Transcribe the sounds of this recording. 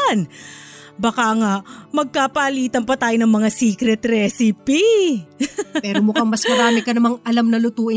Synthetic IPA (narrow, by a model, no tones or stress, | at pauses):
n | bɐkaŋaʔmɐɡ̚kaːpɐʔɐliːt̪ɐnpɐt̪aːjonɐŋmɐŋasiːkɾɛt̪ɾɛːsɪpi | pɛːɾomʊkɐŋmɐsmɐɾaːmɪkɐnɐmaŋʔɐlamnɐlʊt̪uːʔɪ